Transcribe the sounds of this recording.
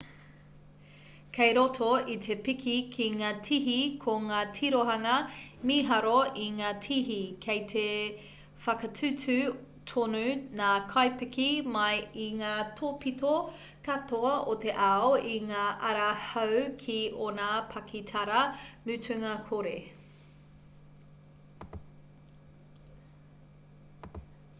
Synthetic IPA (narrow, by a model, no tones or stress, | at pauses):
kʰejɾotʰoit̪ʰepikʰikʰiŋaːtʰiɦikʰoŋaːtʰiɾoɦɐŋɐmiɦɐɾoiŋaːtʰiɦikʰejt̪ʰe | fɐkɐtʰʉtʉ | tʰonʉnaːkʰajpikimɐjiŋaːtʰopito | katoɐʔot̪eʔaoiŋaːʔɐɾɐhɐwkʰionapʰɐkʰitʰɐɾɐmʉtʉŋɐkʰoɾḛ